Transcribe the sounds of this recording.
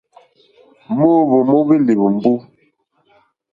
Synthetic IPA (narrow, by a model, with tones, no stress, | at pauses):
mo˦bo˨mɔ˦bi˦li˨bm˦bu˦